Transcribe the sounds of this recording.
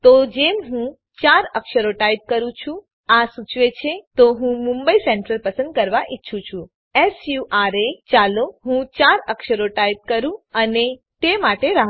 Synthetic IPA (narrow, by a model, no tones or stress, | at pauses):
t̪od͡ʒemɦũ | t͡ʃaɾəkʃəɾoʈajp̚kəɾũt͡ʃʰũ | asut͡ʃʋet͡ʃʰet̪oɦũmũmbəisɛɳʈɾəlpəsənd̪̚kəɾʋaʔitːʃʰũt͡ʃʰũ | esjuʔaɾet͡ʃaloɦũt͡ʃaɾəkʃəɾoʈaip̚kəɾũəne | t̪emaʈeɾaɦ